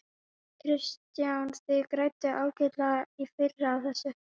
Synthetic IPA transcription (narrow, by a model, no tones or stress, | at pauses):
kʰɾɪst̪jawntɪkɾaːɥt̪ɪʔaːwcɪt̪laifɪrːɪawθɛsːʏ